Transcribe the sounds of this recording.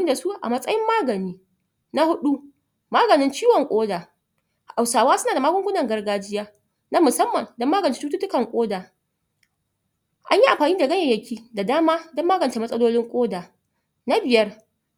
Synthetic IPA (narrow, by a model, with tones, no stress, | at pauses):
da˨su˦ʔa̰˨mɐ˦sʼɐ̰˦jɪ˦mːaː˦ɡɐ˨niː˦ | na˦hʊ˦ɗu˦ | maː˦ɡɐ˨nɪ˦nt͡ʃiː˦wɔ˨ŋkʷʼoː˦daː˨ | ʔa˨wsaː˨waː˦sʊ˦naː˨da˨maː˦ɡʷʊ˦ŋɡʷʊ˦nɐ˨ŋɡɐ˦rɡaː˦d͡ʒɪ˦jaː˦ | na˦mʊ˨sɐ˦mːɐ˨ndɔ˦mːaː˦ɡɐ˨nt͡ʃe˨˦tuː˦tu˦tʊ˦kɐ˨ŋkʷʼoː˦daː˨ | ʔa̰˦ɲji˦ʔa˨mɸaː˨niː˦da˨ɡɐ˦ɲɐ˨jɐ˨kʲʰiː˦da˨daː˦maː˦dɔ˦mːaː˦ɡɐ˨nt͡ʃe˨mɐ˦sʼɐ˦loː˦lɪ˦ŋkʷʼoː˦daː˨ | na˦bɪ˨jɐ˦r